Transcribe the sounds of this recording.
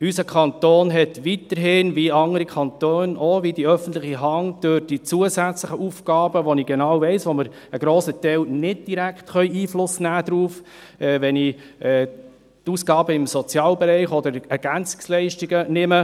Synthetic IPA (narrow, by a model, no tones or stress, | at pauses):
ysəkʰɑnt̪oːnɦɛtʋit̪əɾɦɪnʋiɑŋəɾikʰχɑnt̪øːnoʋidiœfən̩t̪lɪχiɦɑŋd̥øɾd̥it͡suəsæt͡sləχəʔufkɑːb̥əʋɔniɡ̥ɛnɑːwvɛɪsʋoməɾ | əɡɾoːsətɛɪlnɪd̚d̥iɾækχtχœʏiːflʊsːənæːd̪ɾuːf | ɛːʋɛniɛ | tuːsɡ̥ɑːbəɪmsɔt͡sjɑːlbɛɾɛɪχɔd̪əɾɛɾɡ̥ænt͡sɪ̥kslɛɪʃtiɡənɪmə